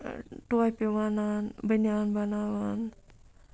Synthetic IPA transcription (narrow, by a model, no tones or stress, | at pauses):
ʈuajpeʋananbənanbanawan